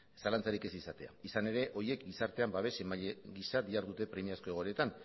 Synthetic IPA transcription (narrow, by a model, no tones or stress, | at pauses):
salant͡saɾike̞sisat̪e̞a̰isane̞ɾe̞ʔo̞ɾje̞kɡisaɾt̪e̞ambaβe̞semaʎeɣisaðiaɾðut̪e̞pɾe̞miasko̞eɣ̞o̞ɾet̪an